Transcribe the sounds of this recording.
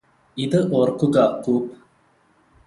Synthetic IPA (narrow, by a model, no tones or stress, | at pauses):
iðɨʔoːrkːuɡɐkuːp